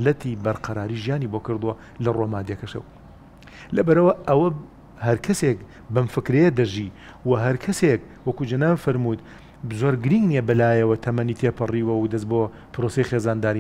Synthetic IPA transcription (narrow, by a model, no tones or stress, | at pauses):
lɐt̪ibɐɾqɐɾaːɾiːʒijaːnibokɨɾd̪uwɐ | lɐromaːd̪ekɐʃɐ̰w | lɐbɐɾɐwɐʔɐwɐ | hɐɾkʰɐsek̚ | bɐmfɨkɾejed̪ɐʒi | wɐɦɐɾkʰɐsek̚ | wɐkud͡ʒɐnaːbfɐɾmut̪ | zoɾɡɨɾiŋɡniebɨlaːjɐwɐt̪ʰɐmɐnit̪ʰepʰɨriːwɐwd̪ɐs̬bo | pɨɾosejxeːzaːnd̪aːɾi